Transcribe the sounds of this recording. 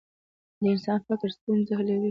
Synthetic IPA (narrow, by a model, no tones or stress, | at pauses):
d̪əɪnsɑnfɪkɾst̪unzaɦəled̪i